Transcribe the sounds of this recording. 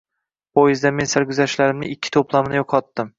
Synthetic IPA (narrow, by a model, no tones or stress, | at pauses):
pojɪzd̪ame̞nsaɾɡʲʊzaʃlaɾɪmnɪɪkʲʰːɪ̥t̪ʰoplˠamnɪjoqʰɒt̪ːɪm